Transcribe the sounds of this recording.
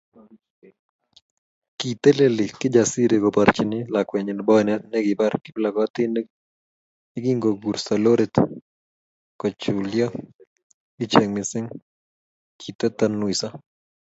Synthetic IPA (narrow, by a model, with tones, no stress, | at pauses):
ki˨t̪e˦le˦lɪ˨kɪ˦d͡ʒa˨si˦ɾe˨ɡɔ˨pa˨ɾt͡ʃɪnɪ˦la˨kwɛ˨ɲɪ˨n˨bɔ˦ɛ˨nɛ˦t̪ne˦ɡɪ˨ba˦ɾkɪ˦bɪla˨kɔa˦t̪ɪ˦ne˦ | ɪ˦ɡi˦ŋɡo˨ɡu˨ɾsa˨lo˦ɾet̪ | kɔ˨t͡ʃu˨lja˦ | ɪ˦t͡ʃɛ˨ŋmɪsɪ˦ŋ | kʰi˨t̪e˦t̪anwi˨sa˦